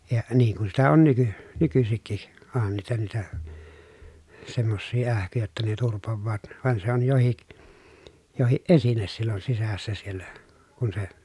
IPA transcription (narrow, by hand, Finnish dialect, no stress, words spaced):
jɑ niːŋ kun sitæ on nyky nykysikːi oˑhɑn niːtæ niːtæ semːosːiː æhkyjæ jotːɑ ne turpoʋːɑːt ʋɑˑen se on johik johiʔ ʔesines silːon sisæsːæ sielːæ kun se